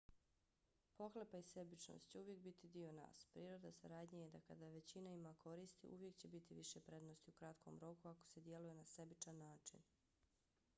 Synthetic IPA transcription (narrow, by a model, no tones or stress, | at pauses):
po̞xlepaise̞bit͡ʃno̰st̪t͡ɕeuʋje̞k̚bit̪id̪io̞na̰ːspɾiːɾo̞d̪asaɾaːd̪ɲajed̪akad̪aʋe̞t͡ɕinaimakʰo̞ɾiːst̪ḭʔṵʋje̞kt͡ɕe̞bit̪iʋiʃepɾe̞d̪nost̪iukɾat̪kʰo̞̰mɾo̞kuako̞̥se̞d̪je̞lujenase̞bit͡ʃanːaːt͡ʃḭn